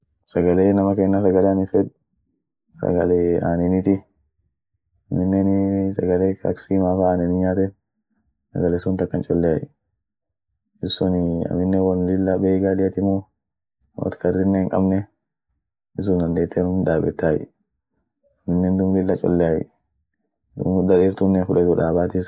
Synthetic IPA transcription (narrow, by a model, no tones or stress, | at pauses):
sɐɡɐleːnɐmɐkeːnːasɐɡɐlɛanɪfɛᶑ | sɐ̰ɡɐlea̰ːnɪnɪt̪ɪ | mɪnːɛnsɐɡɐleːkɐ̰ksiːmaːfaːnɛnɪɲaːt̪ɛ | sɐ̰ɡɐlɛsʊnt̪ɐkːɐnt͡ʃʼɔlːɛaj | ɪsːʊnɐ̰mɪnːɛwɐnlɪlːabeːɡaːlɪjɐt̪ɪmɔ | wɐ̰t̪kɐrːɪnːeːŋkʼɐ̰bnɛ | ɪs̬ʊnɐnd̪eːt̪ːɛnʊmᶑaːbɛt̪ːaːjɪ̰ | ɐmɪnːɛnd̪ʊmlɪlːɐt͡ʃʼɔ̰lːɛjaj̰ | d̪ʊ̰mʊdɐdiɾt̪ʊnːɛfʊᶑɐd̪uᶑaːbaːt̪ɪs